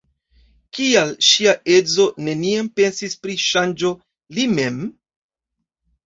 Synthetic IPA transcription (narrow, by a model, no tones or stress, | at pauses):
kialʃiaʔe̞zo̞ne̞niampe̞nsispɾiʃand͡ʒo̞ | lime̞m